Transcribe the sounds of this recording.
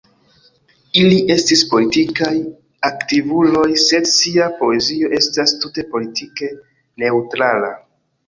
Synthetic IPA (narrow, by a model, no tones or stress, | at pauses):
iliʔe̞stispo̞litikaj | aktivulo̞jse̞dsiapo̞e̞zio̞ʔe̞stastute̞po̞litike̞ | ne̞utɾala̰